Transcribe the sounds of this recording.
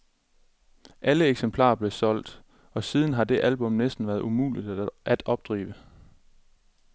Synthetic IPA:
ʔæləeɡ̥sempʰlɑ̰̈ːb̥le̝sɒ̽l̰d̥ | ɒ̽siːð̞ˠn̩ɦɑ̈d̥e̝ʔælb̥ɔ̽mnesd̥n̩ʋæɐðˠumṵːlid̥ʔæd̥ɒ̽b̥̚d̥ʁḭːʋə

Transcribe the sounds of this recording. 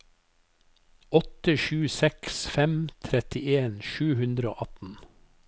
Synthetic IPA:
ɔt̪əʃʉːsɛksfɛmt̪ʰɾɛt̪ɪeːnʃʉːhʉnd̪ɾəo̰ːʔɑt̪n̩

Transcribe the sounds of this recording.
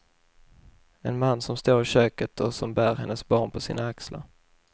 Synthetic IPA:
ɛnmanːsɔmst̪oːɾɪɕøːkət̪ʰɔsɔmbæːɾhɛnːəsbɑːɳpʰɔsḭːnaaksla̰

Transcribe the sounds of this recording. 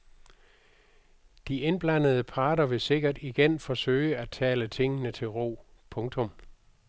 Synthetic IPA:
d̥ie̝nb̥lænəð̞̩ˠəpʰɑ̈ːɾɐʋe̝se̝ɡ̥ɐdiɡ̥enfɒ̽sø̰ːɪəæt͡sʰɛːlət͡sʰe̝ŋ̰ənət͡sʰe̝lʁo̝̰ːpʰɔ̽ŋt͡sʰɔ̽m

